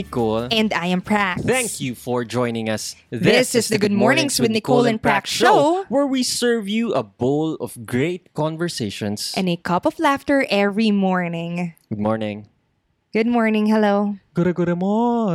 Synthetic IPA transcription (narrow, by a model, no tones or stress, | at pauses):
ɪkolɛ̃nd̪ajɛ̃mpʰɹæk̚θæ̃ŋkʰjufɔɹd͡ʒɔ̃j̃nɪ̃ŋɐsðɪsɪsðəɡʊd̪̚mɔɹnɪ̃ŋswɪd̪nikʰolɛ̃npɹækʃoʊwɛɹwisɜɹvjuʔɐbolɔvɡɹeɪt̪̚kɔ̃nvəɹseɪʃɔ̃nsʔɛ̃nekʰʌpɔflæft̪əɹʔɛvɹimɔɹnɪ̃ŋɡʊd̪̚mɔɹnɪ̃ŋ | ɡ̥ʊd̪̚mɔɹnɪ̃ŋhɛloʊɡ̥ɔɾɐɡɔɾɐmo